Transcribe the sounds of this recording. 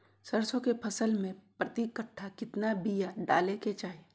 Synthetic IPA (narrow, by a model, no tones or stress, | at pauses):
səɾsõkepʰɐsəlmẽpɾɐt̪ikəʈʰːakɪt̪nabijaɖaːleket͡ʃaːɦe